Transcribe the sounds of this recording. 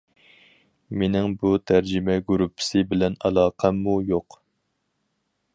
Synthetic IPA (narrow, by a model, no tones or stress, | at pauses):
menɪŋbut̪ʰæɾd͡ʒɪmɛɡuɾupʰːɪ̥sɨbɪlɛnɑlˠɑːqʰɛmːujoq